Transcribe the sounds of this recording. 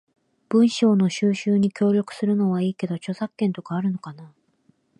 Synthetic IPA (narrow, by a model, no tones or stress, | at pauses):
b̥ɯ̟̃ɰ̃ɕo̞ːno̞ɕɨːɕɨːɲ̟ikʲo̞ːɾʲjo̞kɯ̟̥sɨɾɯ̟no̞β̞aiːke̞d̪o̞t͡ɕo̞sakːẽ̞nt̪o̞kaːɾɯ̟no̞kana